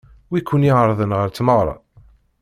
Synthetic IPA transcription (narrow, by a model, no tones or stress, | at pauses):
wikʰːʊnjiʁəɾˤðˤənʁəɾt͡s̪ːməʁɾˤɑ̰